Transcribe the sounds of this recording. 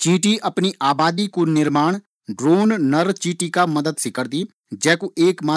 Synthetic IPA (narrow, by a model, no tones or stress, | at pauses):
t͡ʃĩːʈiːəpniːʔaːbaːd̪iːkunɪɾmaːɳ̃ | ɖɾoːnnəɾt͡ʃĩːʈiːkaməd̪əd̪sɪkəɾd̪iː | d͡ʒɛːkuʔeːkmaː